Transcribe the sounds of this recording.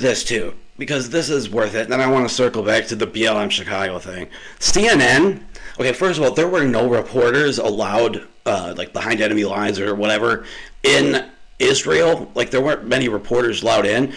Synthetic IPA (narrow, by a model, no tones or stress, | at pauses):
ðɪstʰʉb̥ɨkʰʌzðɪsɪzwɜ˞θɪtə̃ñaɪwɑ̃nəsɜ˞kl̩ˠbæk̚tʰɨðɨbiɛlˠə̃mʃɨkʰɑɡoʊθɪ̃ŋ | siɛ̃nɛ̃noʊkʰeɪfɜ˞stʌvɔlˠðə˞wə˞noʊɹɨpʰɔɹɾə˞zə̰laʊd | ʌlaɪk̚b̥əhãɪ̃ndɛnɨmilaɪzə˞wʌɾɛvə˞ɪ̃n | ɪzɹil̩ˠlaɪk̚ðə˞wɜ̃˞nt̚mɛñiɹɨpʰɔɹɾə˞zəlaʊɾɪ̃n